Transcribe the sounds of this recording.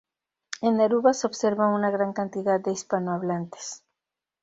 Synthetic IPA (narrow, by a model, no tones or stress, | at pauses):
enːaɾuβaso̞βse̞ɾβaŋunaɣɾaŋkant̪iðad̪̚d̪eispanoaβlant̪e̥s